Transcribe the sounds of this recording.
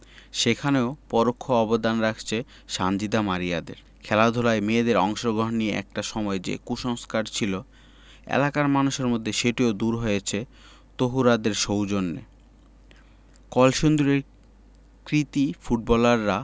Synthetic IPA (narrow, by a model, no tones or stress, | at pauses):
ʃekʰaneopɔɾokʰːoɔbod̪anɾakʰt͡ɕʰe | ʃand͡ʑid̪amaɾija̰d̪ḛɾ | kʰɛlad̪ʱolaemed̪eɾɔŋʃoɡɾoɦnieʔɛ̰k̚ʈaʃɔmɔed͡ʑḛkuʃɔŋskaɾt͡ɕʰilo | ḛlakaɾmanuʃeɾmod̪ʱːeʃeʈiod̪uɾɦojet͡ɕʰe | t̪oɦuɾad̪eɾʃowd͡ʑonːḛ | kɔlʃond̪uɾeɾ | kɾit̪ifuʈ̚bɔlaɾːa